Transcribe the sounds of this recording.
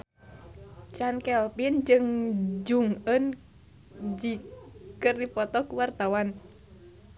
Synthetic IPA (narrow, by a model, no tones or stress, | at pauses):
t͡ʃankɛlpind͡ʒɨŋd͡ʒuŋən | d͡ʒikɨrdipɔt̪ɔkuwart̪awan